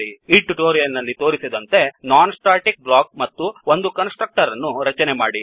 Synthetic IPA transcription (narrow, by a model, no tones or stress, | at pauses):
iiʈːuʈoːɾijɐnːɐlːit̪o̞ːɾisid̪ɐnt̪e̞naːnsʈaːʈik̚blaːk̚mɐt̪ːuond̪ukɐnsʈɾɐk̚ʈɐɾɐnːuɾɐt͡ʃɐnemaːɽi